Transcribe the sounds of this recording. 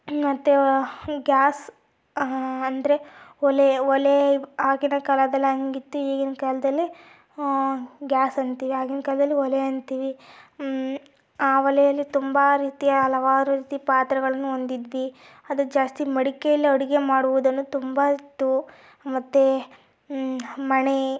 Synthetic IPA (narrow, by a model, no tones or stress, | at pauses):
mɐt̪ːeɡaːs | ɐnd̪ɐɾe̞ɔleɔleaːɡinɐkɐlɐd̪ɐlːɦɐŋɡit̪ːuiːɡinɐkɐlɐd̪ɐlːi | ɡʲaːsɐnt̪iːʋiɦaːɡinɐkɐlɐd̪ɐlːiɔleɐnt̪iːʋi | aːʋɐlɛjɐlːit̪umbaɾiːt̪ijɐɐlɐʋaːɾuɾiːt̪ipaːt̪ɾɐɡɐɭɐnːuond̪id̪ʋi | ɐd̪ud͡ʒaːst̪imɐɽikejɐlːiɔɽiɡe̞maːɽuʋud̪ɐnːut̪umbait̪ːu | mɐt̪ːe | mɐɳe